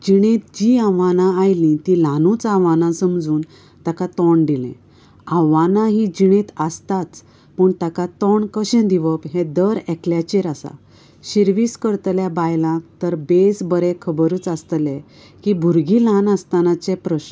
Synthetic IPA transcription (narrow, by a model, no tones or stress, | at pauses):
d͡ʑiɽ̃ẽt̪d͡ʑiaʋanãːjlĩt̪ĩlanũt͡saʋanãsəmd͡zuːn | t̪akat̪ɔɳɖ̪ilɛ̰̃ | ãʋanaɦid͡ʑiɽ̃ẽt̪əst̪at͡s | pəɳt̪akat̪ɔɳkəɕɛ̃d̪iʋəpɦɛ̃d̪əɾɛkljat͡ɕeɾasa̰ | ɕiɾʋiːskəɾt̪ljabajlãkt̪əɾbesbəɾekʰəbəɾəːt͡sast̪lɛ | kibʱuɾɡilãnəst̪anat͡sɛpɾəɕn